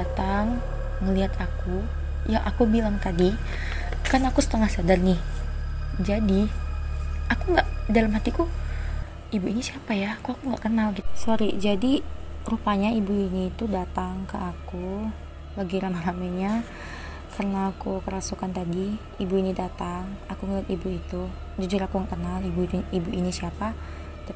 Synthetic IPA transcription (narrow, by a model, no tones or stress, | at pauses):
at̪aŋː | əliɦat̪aku | jaʔa̰kubilaŋt̪adi | karnakusə̥t̪əŋahsadarnɪh | d͡ʒadi | akuŋɡaʔdalamɦat̪iku | ibuinisiapajakuakuŋɡa̰ʔkənalɡit̪soɾid͡ʒadirupaɲaibuinit̪udat̪aŋkəʔaku | laɡiɾamalamaɲa | karənaːkukəɾasukant̪adi | ibuinidat̪aŋakuŋəlat̪ibuit̪u | d͡ʒud͡ʒuɾakuŋɡakənalibuibuʔinisiapa | t̪